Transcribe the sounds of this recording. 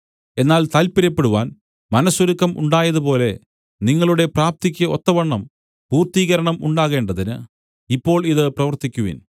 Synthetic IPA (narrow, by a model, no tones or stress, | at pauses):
e̞nːaːlt̪ɐlpiɾɐpːe̞ɽuʋaːn | mɐnɐsuɾukːɐmʔṵɳɖaːjɐðupo̞ːle̞ | niŋːɐɭuɽe̞praːp̚t̪ikʲːɐot̪ːɐʋɐɳːɐm | puːrt̪iːɣɐɾɐɳɐmuɳɖaːɣe̞ːɳɖɐðinɨ̰ | ipːo̞ːɭiðɨprɐʋɐrt̪ikʲːuʋḭn